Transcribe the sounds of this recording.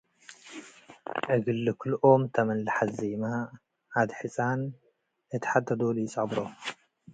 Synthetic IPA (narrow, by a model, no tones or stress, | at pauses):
ʔɨɡɨlːɨkʰɨlʔomt̪ʰɐmɐnlaħazema | ʔːd̪ħɨsʼan | ɨt̪ʰɐ̥ħad̪t̪ʰːɐd̪olujɪt͡sʼɐbɾo